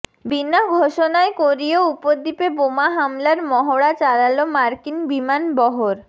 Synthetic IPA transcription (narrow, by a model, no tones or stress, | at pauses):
binaɡʱoʃonaekoɾioupoɾd̪ipebomaɦamlaɾmɔɦoɽat͡ɕaɾalomaɾkinbimanbɔɦoɾ